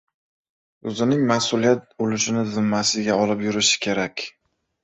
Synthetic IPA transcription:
ɵzɪnɪŋmasʊlijat̪̚bolɪʃɪnɪzɪmːasɪɡʲaɒlɪpjʊɾɪʃɪ̥kʲʰe̞ɾakʲ

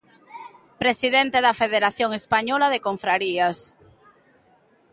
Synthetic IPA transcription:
pɾesiðent̪eðɐfeðeɾaθjoŋespaɲɔlaðekoɱfɾaɾias

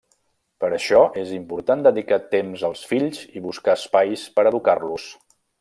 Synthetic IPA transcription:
pəɾəʃɔʔezimpuɾt̪and̪əðikat̪emzəlˠsfiʎziβuskaəspajspəɾəðukarlus

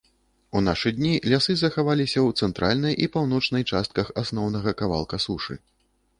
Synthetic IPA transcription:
un̪aʂɨd̪ʲnʲilʲasɨzɐxavalʲisʲɐwt̪sɛnt̪ɾʔa̰lʲnɐjʔipawnɔt͡ʂnɐjt͡ʂast̪̚kɐxasn̪ɔwnɐɣɐkava̰lˠkɐsuʂɨ̰

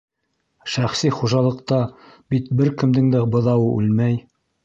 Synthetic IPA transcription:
ʃæχsiχuʒɑlˠɤ̆qt̪ɑbit̪bɘɾkɘ̆md̪ɘŋd̪æbɤ̆ðɑwɤʔʉ̰lmæj

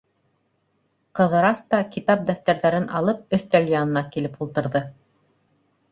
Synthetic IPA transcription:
qɤ̆ðɤ̆ɾɑst̪ɑkit̪ɑp̚d̪æθt̪æɾðæɾɘnʔɑ̰lˠɤp̚ɵ̆θt̪æljɑnɤ̆nɑkilɘpulˠt̪ɤ̆ɾðɤ

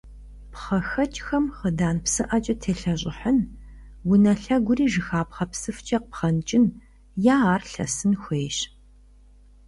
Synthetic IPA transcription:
pχɐxɐt͡ʃʼxɐmχədaːnpsɨʔɐt͡ʃʼɐtʰeːɬɐɕ̬ʼɪħən | wʊnɐɬɐɡʷʊriːʒɨxaːpχɐpsɨft͡ʃʼɐq̚pχɐnt͡ʃʼɪn | jaːaːrɬɐ̰sɨnxʷeːɕ

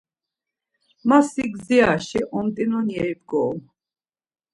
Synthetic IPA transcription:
masiɡziaʃɛʔɔmt̪ʼinɔnjɛjbɡɔm

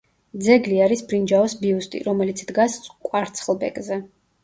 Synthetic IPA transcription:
d̪zɛɡliaɾisbɾind͡ʒaɔsbiust̪ʼḭɾɔmɛlit̪sʰd̪ɡaskʼwaɾt̪sʰχlˠbɛ̰kʼzɛ

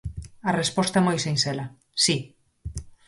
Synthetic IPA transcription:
ɐrespɔst̪aɐɛmojsensɛlɐ | si

